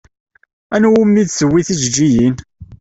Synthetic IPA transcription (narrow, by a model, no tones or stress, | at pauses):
ænwumːiðsəwːiθid͡ʒd͡ʒːijin